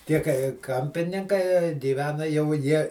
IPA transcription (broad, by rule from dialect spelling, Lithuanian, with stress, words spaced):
ˈtʲiɛ kɐɪ ˈkɐmʲpʲɪnʲɪŋkɐɪ ɡʲiːˈʋʲæːnɐ jɛʊ ˈjiɛ